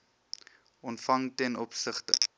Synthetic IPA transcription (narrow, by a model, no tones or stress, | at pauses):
ɔntfɐŋtɛnɔpsəχtə̰